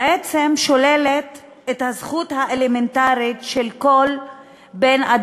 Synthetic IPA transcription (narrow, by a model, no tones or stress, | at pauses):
et͡semʃo̞lelet | ethazχuthaʔelementaʁitʃelkol | benad